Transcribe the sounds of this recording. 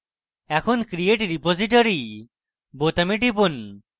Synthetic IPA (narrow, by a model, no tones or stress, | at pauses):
ɛkʰonkɾieʈɾipoziʈoɾi | bot̪amiʈip̬un